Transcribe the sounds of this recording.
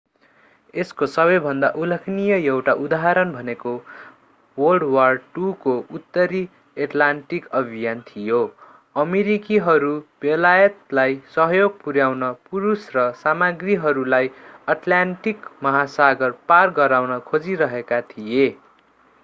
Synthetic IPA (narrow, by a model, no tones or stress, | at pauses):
eskosʌbʌjbʱʌnd̪aʔulʌkʰnijʌjʌwʈaʔud̪aɦaɾʌnbʱʌneko | wʌlɖwarʈukout̪ːʌɾi | eʈlaɳʈikʌbʱijant̪ʰijo | ʌmeɾikiɦʌɾub̥elajʌt̪̚lajsʌɦʌjoɡ̚puɾjawnʌpuɾusrʌsamaɡriɦʌɾulajʌʈlaɳʈikmʌɦasaɡʌrparɡʌɾawnʌkʰod͡ziɾʌɦekat̪ʰije